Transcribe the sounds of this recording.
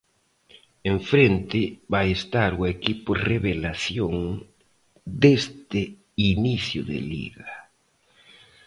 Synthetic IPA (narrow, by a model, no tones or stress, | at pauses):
eɱfɾent̪ɪβajest̪aɾuekipʊreβelaθjoŋ | d̪est̪e | iniθjʊðḛlḭɣa